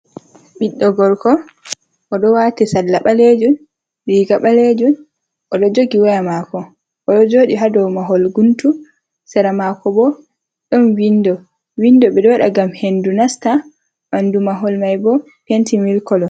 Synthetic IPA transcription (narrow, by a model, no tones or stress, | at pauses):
ɓiɗːɔɡɔɾkɔ | ʔɔɗɔwatɛsalːaɓaled͡ʒun | ɗiɡaɓaled͡ʒun | ʔɔɗɔd͡ʒoɡiwajamakɔ | ʔɔɗɔd͡ʒoːɗiɦadɔwmaɦolɡuntu | sɛɾamakɔbɔ | ɗɔnwindɔ | windɔɓɛdɔɗa̰ɡamhendunasta | mandumaɦɔlmajbɔ | pentimilkɔlɔ